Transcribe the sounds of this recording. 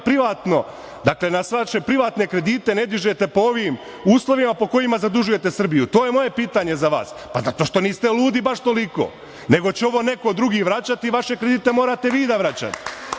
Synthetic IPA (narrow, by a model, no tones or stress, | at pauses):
pɾiʋaːt̪no̞ | d̪akle̞nasʋaʃe̞pɾiʋaːt̪ne̞kɾe̞d̪iːt̪e̞ne̞d̪iʒe̞t̪e̞po̞oʋim | uːslˠo̞ʋimapo̞ko̞imazad̪uʒuje̞t̪e̞sr̩bijut̪o̞ːjemo̞je̞piːt̪aɲe̞zaʋa̰ːs | pazat̪o̞ʃt̪o̞niːst̪eluːd̪ibaʃt̪o̞liko̞̰ː | ne̞ɡo̞t͡ɕeo̞ʋo̞ːne̞kod̪ɾuɡiːʋɾat͡ɕat̪iːʋaʃe̞kɾed̪iːt̪e̞moːɾat̪e̞ʋiːd̪aʋɾat͡ɕa̰t̪i̥